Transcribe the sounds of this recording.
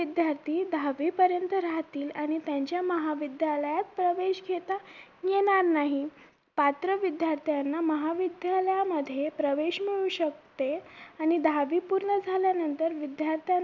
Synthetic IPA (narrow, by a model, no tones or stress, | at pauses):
id̪jaɾt̪ʰiːd̪ʱaʋiːpəɾjənt̪əɾaɦt̪iːlaɽ̃it̪jaɲt͡ɕjaməɦaʋid̪jaləjat̪̚pɾəʋeɕɡʱet̪a | jeɽ̃aɾnaɦi | pat̪ɾəʋid̪jaɾt̪ʰjanːaməɦaʋid̪jaləjaməd̪ʱːjepɾəʋeɕmiɭuɕək̚t̪eaɽ̃id̪ʱaʋipuɾɳəd͡zʱaljanənt̪əɾʋid̪jaɾt̪ʰja